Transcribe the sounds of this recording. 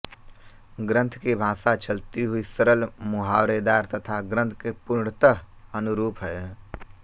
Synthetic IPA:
ɡɾə̃nt̪ʰkibʱãːsat͡ʃʰəlt̪iɦuisəɾəlmuɦawɾed̪aːɾt̪ət̪ʰaɡɾə̃nt̪ʰkepuɾɳt̪əɦ | ənuɾuːpɦɛ

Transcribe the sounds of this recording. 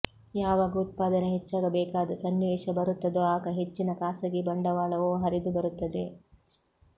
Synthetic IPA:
jaːʋaːɡɐut̪̚paːd̪ɐneɦet͡ʃːaːɡɐbɛːkaːd̪ɐsɐnːiʋeːʃɐbɐɾut̪ːɐd̪oːaːkɐɦet͡ʃːinɐkaːsɐɡibɐɳɖɐʋaːɭɐʋoːɦɐɾid̪ubɐɾut̪ːɐd̪e̞

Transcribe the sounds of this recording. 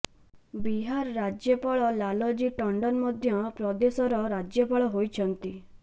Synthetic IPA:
biɦaɾɾad͡ʒjɔpaɭɔlalɔd͡ʒiʈɔɳɖɔnmɔd̪ʱjɔpɾɔd̪esɔɾɔɾad͡ʒjɔpaɭɔɦojt͡ʃʰɔnt̪i

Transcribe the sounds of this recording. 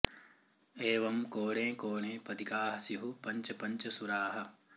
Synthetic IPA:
eːʋɐmkoːɽẽːkoːɳẽːpɐd̪ikaːɦɐsiɦupɐɲt͡ʃɐpɐɲt͡ʃɐsuɾaːɦɐ̆

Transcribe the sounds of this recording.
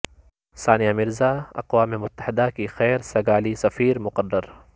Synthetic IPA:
saːnijamɪɾzaːɐ̰qwaːmemʊt̪ːə̥hɪd̪akixɛːɾsɐɡaːlisɐfiːɾmʊqədːəɾ

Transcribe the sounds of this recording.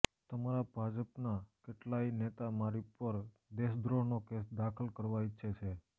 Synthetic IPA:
t̪əmaɾabʱad͡ʒəpnakeʈlainet̪amaɾipəɾ | d̪eʃd̪ɾonokesd̪akʰəlkəɾʋaitːʃʰet͡ʃʰe

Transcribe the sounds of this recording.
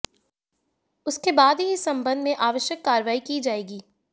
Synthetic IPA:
ʊskebaːd̪ɦiɪsɐ̃mbə̃nd̪mẽʔaːʋəʃjəkːaːɾʋaːikid͡ʒaːeːɡiː

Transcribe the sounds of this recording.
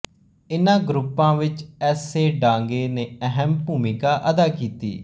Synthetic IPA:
ɪnãːɡɾʊpːãːʋɪt͡ʃɛːseːɖãːŋɡeːneːəɦəmbuːmɪkaːʔəd̪aːkiːt̪ḭː

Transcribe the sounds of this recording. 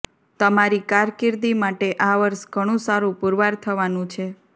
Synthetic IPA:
t̪əmaɾikaɾkɪɾd̪imaʈeʔaʋəɾsɡʱəɽ̃ũsaɾũpuɾʋaɾt̪ʰəʋanũt͡ʃʰe

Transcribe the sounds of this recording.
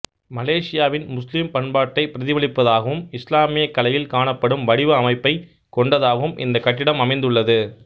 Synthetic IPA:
mɐleːʂɪjaːʋɪnmʊslimpɐɳbaːʈːɐɪpːɪɾɐðɪʋɐɭɪpːɐðaːɣɐʋɯmɪslaːmɪjɐkːɐlɐjɪlkaːɳɐpːɐɽɯmʋɐɽɪʋɯɐmɐɪpːɐɪ | kɔɳɖɐðaːɣɐʋɯmʔɪ̰nd̪ɐkɐʈːɪɽɐmɐmɐɪnd̪ɯɭːɐðɯ

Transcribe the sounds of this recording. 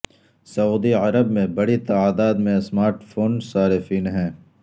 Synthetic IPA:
sɐuːd̪iɐɾəbmẽbɐɽit̪aaːd̪aːd̪mẽsmaːɾʈfʰoːnsaːɾɪfiːnɦɛ̃ː

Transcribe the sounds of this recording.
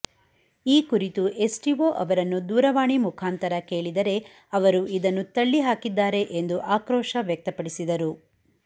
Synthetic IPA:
iːkuɾit̪uʔe̞sʈiʋoːʔɐʋɐɾɐnːud̪uːɾɐʋaːɳimukʰaːnt̪ɐɾɐke̞ːɭid̪ɐɾe̞ | ɐʋɐɾuid̪ɐnːut̪ɐɭːiɦaːkid̪ːaːɾe̞ʔend̪uʔaːkɾɔːʃɐʋjɐk̚t̪ɐpɐɽisid̪ɐɾu

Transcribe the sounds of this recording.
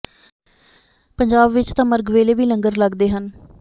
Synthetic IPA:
pəɲd͡ʒaːbʋɪt͡ʃt̪ãːməɾɡʋeːleːʋiːnəŋɡəɾləɡd̪eːɦən

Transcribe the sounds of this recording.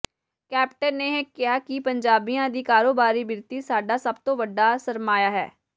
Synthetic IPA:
kɛːpʈənːeːɦkɪɦaːkɪpəɲd͡ʒaːbijãːd̪iːkaːɾoːbaːɾiːbɪɾt̪iːsaːɖaːsəbt̪õːʋəɖːaːsəɾmaːjaːɦɛ̰ː

